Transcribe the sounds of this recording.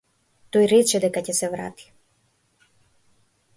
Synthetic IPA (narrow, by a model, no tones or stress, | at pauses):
t̪ojɾɛt͡ʃɛd̪ɛkacɛsɛvɾa̰t̪i̥